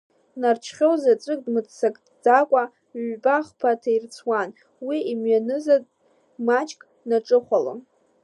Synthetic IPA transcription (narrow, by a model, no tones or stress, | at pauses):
nart͡ʃʰχʲowzat͡sʷʼɨk̚ʼdmɨt͡ssakʼ | d͡zakʷʼa | ɥʷbʼaχpʰatʰairt͡sʰwan | wiimɥanɨzad | mat͡ʃʼkʼ | naʈ͡ʂʼɨχʷalo̰m